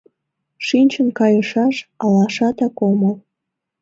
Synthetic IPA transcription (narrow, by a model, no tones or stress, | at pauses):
ʃinʲt͡ɕənkɑjəʃɑʃɑlɑʃɑt̪ɑkoməl